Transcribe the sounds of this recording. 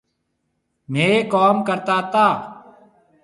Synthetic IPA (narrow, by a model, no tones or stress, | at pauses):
m̤ẽːkoːmkəɾt̪aːt̪aː